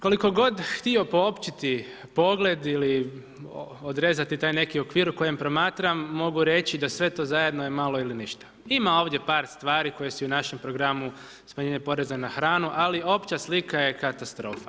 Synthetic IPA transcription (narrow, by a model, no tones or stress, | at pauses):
ko̞liko̞ɡo̞d̪xt̪io̞po̞opt͡ɕit̪i | po̞ɡle̞d̪ili | od̪ɾe̞ːzat̪it̪aːjne̞kio̞kʋiːɾuko̞je̞mpɾo̞maːt̪ɾamːo̞ɡuɾe̞t͡ɕid̪asʋe̞t̪o̞ːzaje̞d̪noje̞malo̞iliniʃt̪ḁimao̞ːʋd̪je̞paːɾst̪ʋaːɾiko̞je̞suunaʃe̞mpɾo̞ɡɾamu | smaɲeɲepo̞ɾe̞zanaxɾaːnuʔalio̞pt͡ɕaslikaje̞kat̪ast̪ɾo̞ːfa